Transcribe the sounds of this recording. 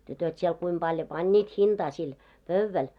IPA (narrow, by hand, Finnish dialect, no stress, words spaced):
tytøt siel kuim b̥ɑljo pɑnʲːiːt hind̥ɑː sil pøʋːæl